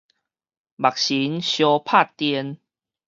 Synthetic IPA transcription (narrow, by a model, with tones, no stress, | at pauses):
ba˨k̚ɕi˨˦nɕjɔ˧pʰa˥˨t̪jɛ˧n